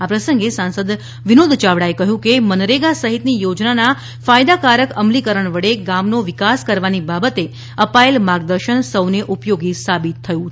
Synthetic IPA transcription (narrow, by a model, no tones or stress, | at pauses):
apɾəsəŋɡesãnsəd̪ | ʋinod̪ʱt͡ʃaʋɽaekəɦjũkemənɾeɡasəɦit̪nijod͡ʒnana | fajd̪akaɾəkəmlikəɾəɳʋəɽeɡamnoʋɪkaskəɾʋanibabət̪e | əpaelmaɡ̚d̪əɾʃəɳsəwneʔupjoɡisabit̪ʰːəjũ